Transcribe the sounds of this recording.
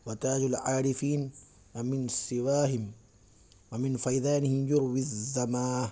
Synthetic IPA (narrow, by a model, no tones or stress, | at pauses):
wat̪aːd͡ʒalʕaːɾɪfiːn | wamɪnasːɪwaːɦɪm | wamɪnfajd̪aːnɪhɪmjʊɾwiazːamaːh